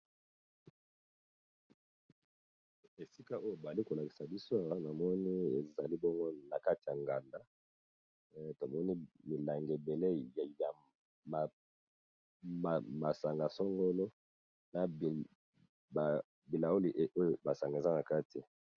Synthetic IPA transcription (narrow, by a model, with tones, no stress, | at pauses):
e˨si˦ka˦o˦jo˦˨ba˨li˦ko˨la˨ki˨sa˨bi˦so˦a˨wa˦na˨mɔ˦ni˦e˨za˨li˦bɔ˦ŋɡo˦na˨ka˦ti˨ja˨ŋɡa˨nda˦ | to˨mɔ˦ni˦mi˨la˨ŋɡe˨be˨le˦˨ja˨ | ma˨ | m˨ma˨sa˨ŋɡa˨sɔ˦ŋɡo˦lo˦ | na˨b | a˨ | bi˨la˨o˦li˨ʔo˦jo˨ba˨sa˨ŋɡa˨e˨za˦na˨ka˦ti˨